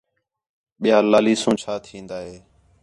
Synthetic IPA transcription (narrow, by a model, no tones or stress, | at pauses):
ɓɪjaːlaːliːsũːt͡ʃʰaːt̪ʰĩːnd̪aːɦeː